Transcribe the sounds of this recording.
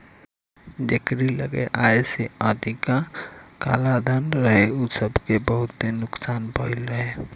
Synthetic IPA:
d͡ʒekɾilə̰ɡḛʔaːeseaːd̪ikaka̰ːlad̪ʱənɾəɦeoːsəbkebəɦʊt̪ːenʊksaːnbʱəɪlɾəɦe

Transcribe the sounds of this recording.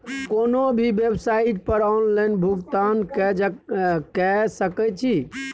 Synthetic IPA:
konobʱibebsaiʈ̚pəɾɔnlanbʱuɡt̪anɛ | kɛsəkɛt͡ʃʰi

